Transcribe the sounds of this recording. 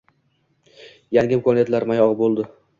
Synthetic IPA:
jaŋɡʲɪɪmkʰonɪjat̪laɾmajɒʁbolˠd̪ɪ

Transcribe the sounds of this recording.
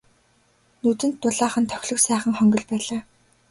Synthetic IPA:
nɵt̪ɘ̆nt̪ːʊɮaːχə̆nt̪ʰœ̥xʲɮɵ̆ksæːχə̆ŋχœŋɡɞ̆ɮpæːɮaː

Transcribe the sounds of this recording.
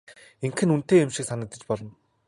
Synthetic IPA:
eŋkʰɘ̆nunt̪eːemʃĭksanə̆k̚t̪ə̆t͡ɕpɔɮɞ̆n

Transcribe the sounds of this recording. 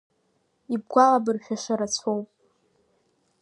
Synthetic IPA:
ib̚ɡʷalabɨrχʲaʂaɾat͡sʷʰowpʼ

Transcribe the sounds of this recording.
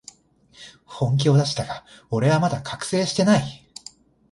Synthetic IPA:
hõ̞ŋk̬ʲo̞ːd̪aɕi̥t̪aɡ̥ao̞ɾe̞βamad̪akʰakɯ̥se̞ːɕi̥t̪e̞nai

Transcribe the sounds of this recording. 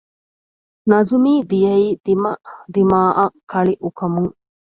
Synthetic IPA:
nɐzumiːd̪ijɐiːd̪imɐd̪imaːʔɐkʰːɐɭiʔukɐmuŋ

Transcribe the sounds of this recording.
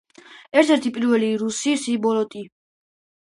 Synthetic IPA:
ɛɾt̪ʰɛɾt̪ʰipʼiɾvɛliɾusisibɔlɔt̪ʼi

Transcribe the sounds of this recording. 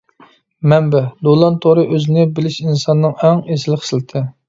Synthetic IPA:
mɛmbɛd̪olˠɑnt̪ʰoɾɨʔøzɪnɪbɪlɪʃinsɑnːɨŋæŋesɪlˠɪχə̥slɪt̪ʰɪ

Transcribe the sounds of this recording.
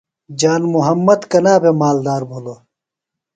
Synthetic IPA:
d͡ʑaːnmuɦɐmːɐd̪kɐnaːbʱemaːld̪aːɾbʱulo

